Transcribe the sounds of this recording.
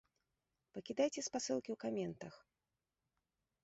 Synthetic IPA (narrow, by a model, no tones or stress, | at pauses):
pɐkʲid̪ajt͡sʲɛspasɨlˠkʲiwkamʲɛnt̪ɐx